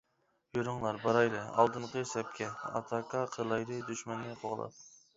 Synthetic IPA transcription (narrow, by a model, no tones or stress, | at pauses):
joɾʊŋlˠɑɾbɑɾɑjlˠɨɑ̰lˠd̪ɨnqəsɛp̚kʲɛɑ̰t̪ʰɑkʰɑqʰəlˠɑjlɨd̪yʃmɛnːɨqʰoʁlˠɑ̰p̚